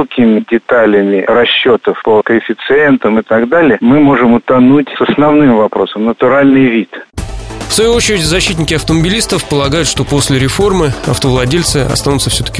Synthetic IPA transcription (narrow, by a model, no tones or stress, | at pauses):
kʲɪmʲɪdʲɪt̪alʲɪmʲɪrɐɕːot̪əfpəkəɪfʲɪt̪sɨent̪əmɨt̪ɐɡd̪alʲɪjəmɨmo̞ʐɨmʊt̪ɐnutʲsəsnɐvnɨmvɐpɾo̞səmnət̪ʊɾalʲnɨjvʲit̪ | fsvɐjuot͡ɕɪɾʲɪtʲzɐɕːit̬ʲnʲɪkʲɪɐft̪əməbʲɪlʲist̪əfpəlˠɐɡajʊt̪ʂt̪o̞po̞sʲlʲɪɾʲɪfo̞rmɨɐ̰ft̪əvlˠɐdʲelʲt̪sɨɐ̰st̪anʊt̪səfsʲɵt̪ə̥kʲɪ